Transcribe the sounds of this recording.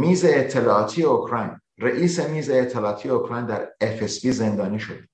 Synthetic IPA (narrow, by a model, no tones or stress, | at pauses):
miːze̞ːt̪ʰːe̞lɒːɒːt̪ʰije̞okʰɾɒːjn | reʔiːse̞miːzeːt̪ʰːelɒːt̪ʰijeokʰɾɒjnd̪æɾefesbiːze̞nd̪ɒːniːʃod̪̥